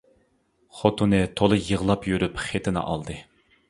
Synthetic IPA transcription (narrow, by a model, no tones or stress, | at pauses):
χot̪ʰunɨt̪ʰolˠɨjəʁlˠɑpjyɾypχet̪ʰɪnɨ̰ʔɑ̰lˠd̪ɨ